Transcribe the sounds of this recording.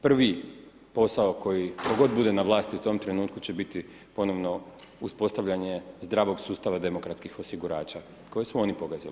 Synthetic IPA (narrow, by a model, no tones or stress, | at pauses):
pr̩ʋi | po̞saoko̞jiko̞ɡo̞d̪̚bud̪e̞naʋlˠaːst̪iut̪o̞mt̪ɾe̞nuːt̪kut͡ɕe̞bit̪i | po̞no̞ʋno̞ | uspo̞st̪aʋʎaɲe̞zd̪ɾaːʋo̞ɡsuːst̪aʋad̪e̞mo̞kɾat̪skixo̞siɡuɾaːt͡ɕa | ko̞jesuo̞nipo̞ɡazili